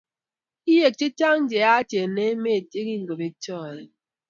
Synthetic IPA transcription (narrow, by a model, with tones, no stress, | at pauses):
i˦je˨k̚t͡ʃi˦ta˦ŋn̩˦d͡ʒe˨a˦te˨ne˦me˦e˨te˦ki˦ŋ̩˨ɡo˨be˦t͡ʃɔ˦˨e˨